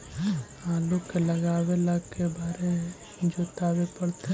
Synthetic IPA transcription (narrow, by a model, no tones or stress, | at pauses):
aːlukelɐɡaːʋeləɡkːebaːɾe | d͡ʒoːt̪aːʋepəɽt̪e